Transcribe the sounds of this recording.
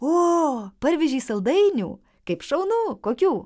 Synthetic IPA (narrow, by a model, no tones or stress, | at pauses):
oːpɐɾʲʋʲɛʒʲiːsɐlˠd̪ɐɪnʲṵː | kɐɪpʃɐʊnuːkoːkʲuː